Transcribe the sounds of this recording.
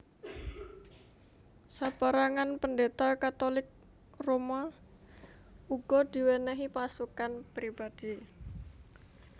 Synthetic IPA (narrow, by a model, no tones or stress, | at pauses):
sab̥aɾaŋanpəndet̪akat̪olɪk̚ | roma | uɡ̥ɔd̪̥i̤wenɛɦipasukanpɾib̥ad̪̥i